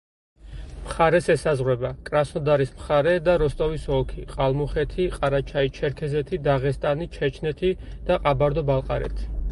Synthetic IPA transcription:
mχaɾɛsɛsazʁwɛbakʼɾasnɔd̪aɾismχaɾɛd̪aɾɔst̪ʼɔvisɔkʰiqʼalˠmuχɛt̪ʰiqʼaɾat͡ʃʰait͡ʃʰɛɾkʰɛzɛt̪ʰid̪aʁɛst̪ʼanit͡ʃʰɛt͡ʃʰnɛt̪ʰid̪̥aqʼabaɾd̪ɔbalˠqʼa̰ɾɛ̰t̪ʰi̥

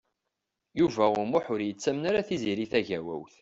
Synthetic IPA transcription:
juvæʊɾmʊħʊɾjət͡sːæmnaɾaθiziɾiθæʝæwæ̰wθ

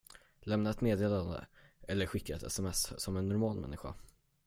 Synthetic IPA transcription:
lɛmnaɛt̪meːd̪eːland̪ə̰ʔɛlːəɾɧɪkːaɛt̪ɛ̰sɛmɛssɔmɛnːʊɾmɑːlmɛ̰nːɪɧa̰

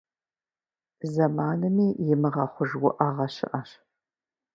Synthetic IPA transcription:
zɐmaːnɨmiːjɪmɨʁɐχʷʊʒwʊʔaːʁɐɕɪ̰ʔɐɕ

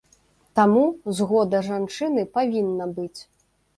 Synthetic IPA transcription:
t̪amuzɣɔd̪ɐʐant͡ʂɨnɨpavʲinːɐbɨt͡sʲ

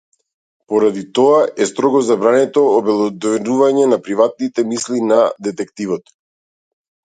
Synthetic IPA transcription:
pɔɾad̪it̪ɔaʔɛst̪ɾɔɡɔzabɾanɛt̪ɔːbɛlˠɔd̪vɛnuvaɲɛnapɾivat̪̚nit̪ɛmislinad̪ɛt̪ɛkt̪ivɔt̪

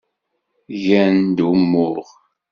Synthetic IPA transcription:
ʝænd̪umːʊɾʁ

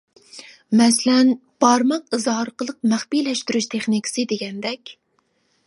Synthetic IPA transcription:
mɛslɛnb̥ɑɾmɑqɨzɦɑɾqəlˠəq̚mæχpijlɛʃt̪yɾyʃt̪ʰeχnikʰə̥sɨd̪eɡʲɛnd̪ɛkʲ

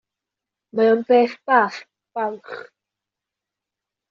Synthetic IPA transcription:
maɔnbeːθbaːθ | pawχ

